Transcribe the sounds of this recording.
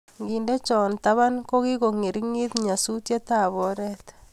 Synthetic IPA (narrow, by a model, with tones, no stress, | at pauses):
ŋɡi˨nde˦t͡ʃɔ˨nt̪a˦βa˦nko˦ɣi˦ɣo˨ŋi˨ɾi˦ŋi˦t̪ɲa˨su˦tje˦t̪a˦˨βɔ˦ɾɛ˦t̪